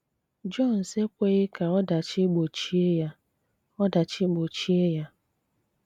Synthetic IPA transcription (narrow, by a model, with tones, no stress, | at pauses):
d͡ʒɔ˦˨n̩˨se˦kʷe˦ɣɪ˦ka˨ɔ˦da˨t͡ʃɪ˦ɡ͡bo˨t͡ʃi˦e˦ja˦ | ɔ˦da˨t͡ʃɪ˦ɡ͡bo˨t͡ʃi˦e˦ja˦